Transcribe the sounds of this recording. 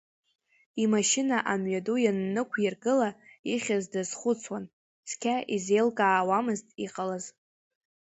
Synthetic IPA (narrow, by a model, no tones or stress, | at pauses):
imaʃɪnaʔamɥadujanːɨkʷʰjarɡɨlaiχʲazdaz̥χʷʊt͡sʰwan | sʰkʲʰaʔizejlkʼaːwamɨztʼiqʼalaz